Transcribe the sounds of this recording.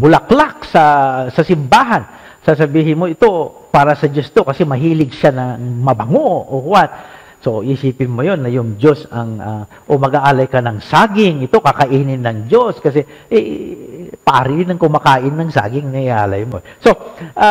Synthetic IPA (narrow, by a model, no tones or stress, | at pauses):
bʊlɐklak̚sɐsɐsɪmbaːɦan | sas̬ɐbiːɦɪnmoɪt̪o̞ | paːɾɐsɐd͡ʒost̪o̞kɐsɛmɐɦiːlɪɡʃanɐŋmɐbɐŋoohʊwat̪ | so̞ʔisiːpɪnmojo̞nːɐjʊŋd͡ʒo̞sɐŋa | ʔomɐɡaʔaːlɐjkɐnɐŋsaːɡɪŋɪt̪o̞kakɐʔiːnɪnːɐŋd͡ʒoskɐs̬ɛ | ʔɛ | pɐʔa̰ːɾɪdɪnɐŋkʊmakaːʔɪnːɐŋsa̰ːɡɪŋnɐɪʔa̰ːlɐjmoso̞ʔa